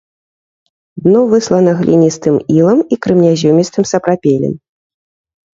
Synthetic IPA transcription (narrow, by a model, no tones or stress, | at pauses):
d̪nɔvɨslˠɐnɐɣlʲḭnʲist̪ɨmilˠɐmikɾɨmnʲazʲɔmʲist̪ɨmsɐpɾapʲelʲɛ̰m